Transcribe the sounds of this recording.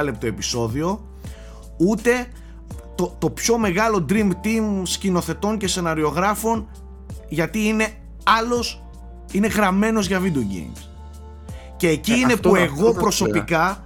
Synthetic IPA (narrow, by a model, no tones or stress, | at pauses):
le̞p̚t̪o̞e̞piso̞ðio̞ | ut̪e̞ | t̪ot̪o̞pço̞me̞ɣɐlo̞d̪ɾimbt̪imscino̞θe̞t̪o̞nce̞se̞nɐɾio̞ɣɾɐfo̞n | ʝɐt̪iine̞ | ɐlo̞s | ine̞ɣɾɐme̞no̞zʝɐvid̪uɟḭŋs | ce̞ːciine̞pueɣopɾo̞so̞pikɐ